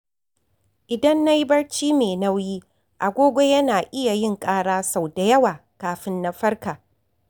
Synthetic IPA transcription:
ʔɪ˨dɐ˦nːa˦ji˦bɐ˦rt͡ʃiː˦meː˨na˦wjiː˦ | ʔa˨ɡʷoː˦ɡʷo˦jɐ˦naː˨ʔɪ˦ja˨jɪ˦ŋkʼaː˦ɽaː˦sa˨wda˨jɐ˦waː˨kaː˨ɸɪ˦nːa˦ɸɐ˦rkaː˨

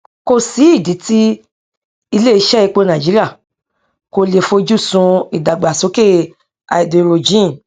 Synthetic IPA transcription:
ko˦si˨˦i˦˨di˨˦ti˦ | i˧le˦i˧˦ʃɛ˦˨i˧k͡po˧nã˨d͡ʒi˨˦ɾi˦a˦˨ | ko˧le˨fo˧d͡ʒu˦sũ˧i˨da˨ɡ͡ba˨so˨˦ke˦˨ | a̰˨i˨do˨˧ɾo˨d͡ʒĩ˦˨

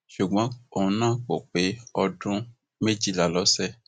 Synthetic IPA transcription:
ʃu˨ɡ͡bɔ̃˨˦õ˨˦nãː˦˨ko˨k͡pe˨˦ɔ˧dũ˦ | me˦d͡ʒi˦˨la˨lɔ˨˦sɛ˦˨

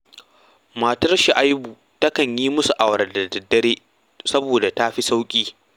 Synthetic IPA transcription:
ma˨tɐ˦rʃi˨ʔa˦jbuː˨ | tɐ˦kɐ˨ɲjiː˦mʊ˦su˨ʔa˨wɾɐ˨dɐ˨dɐ˨dːɐ˦ɽeː˦ | sɐ˦boː˨da˨ta˦ɸi˦sa˦wkʲʼiː˦

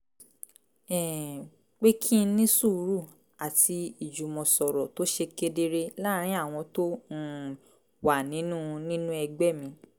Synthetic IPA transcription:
ɛ˦˨ | k͡pe˦kʰĩ˦˧˦nĩ˦su˦˨˧ɾu˦˨ | a˨ti˧i˨d͡ʒu˨mɔ̃˨sɔ˨ɾɔ˨to˦ʃe˧ke˧de˧ɾe˦la˦ɾ̃ĩ˨˦a˦˨w̃ɔ̃˧to˦˨ | wa˨nĩ˨˦nũ˦˧nĩ˦nũ˦ɛ˧ɡ͡bɛ˦˨mĩ˧

